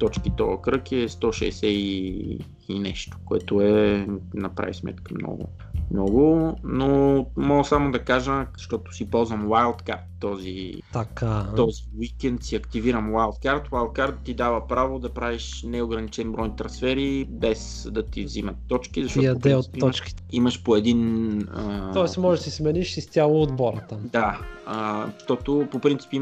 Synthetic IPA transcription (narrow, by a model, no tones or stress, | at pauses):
t̪ɔt͡ʃkit̪ɔəkɾɤkɛɛst̪ɔʃɛ̰ːsɛiː | nɛʃt̪o̥koɛt̪oɛnɐpɾa̰vismɛ̰t̪kəmnɔ̰ɡʊ̰ | mnɔɡʊnomɔɡəsamod̪ɐkaʒəzɐʃt̪ɔt̪ʊ̥sipɔlˠzvɐmwajlˠt̪kaɾt̪ːɔzḭ | t̪ɐkʰat̪ɔziwikɛnt̪siɐkt̪iviɾəmwajlˠt̪̚kaɾt̪wajlˠt̪̚kaɾt̪t̪id̪avəpɾavod̪ɐpɾaviʃ | nɛoɡɾɐnit͡ʃɛnbɾɔjnit̪ɾɐnsfɛɾibɛs | d̪ɐt̪ivzimɐt̪ːɔt͡ʃkizɐʃtɔjɐod̪ɛɛot̪ːɔt͡ʃki̥iməʃpoɛd̪inət̪ɔɛsmɔʒɛsismɛniʃsist̪ʲalˠood̪bɔɾət̪əd̪aəʃt̪ɔt̪opopɾint̪si̥pi